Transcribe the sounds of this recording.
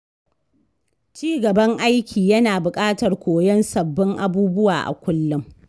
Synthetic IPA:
t͡ʃiː˦ɡɐ˨bɐ˦ŋʔa˦jkʲʰiː˨jɐ˦naː˨bʊ˨kʼaː˦tɐ˨rkʷoː˨jɐ˦nsɐ˨bːɪ˦ŋʔa˦buː˦bʊ˦waː˨ʔa̰˨kʷʊ˦lːʊ˦m

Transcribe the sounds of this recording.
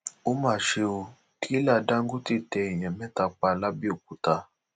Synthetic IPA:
o˦mãː˦˨ʃe˧o˧ | tʰi˦la˦˨˧da˦ŋ̩˦ɡu˦ti˦˨tɛ˧i˨j̃ɛ̃˨mɛ̃˦ta˧k͡pa˧la˦bi˦o˨k̚u˨˦ta˧

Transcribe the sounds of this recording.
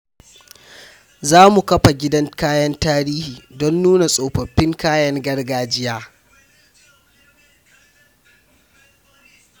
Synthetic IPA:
zaː˦mu˨kɐ˦ɸa˨ɡʲɪ˦dɐ˦nkaː˦jɐ˦ntaː˦ɾiː˦hiː˨dɔ˦nːuː˦na˨sʼoː˨ɸɐ˨ɸːɪ˦ŋkaː˦jɐ˦ŋɡɐ˦rɡaː˦d͡ʒɪ˦jaː˦

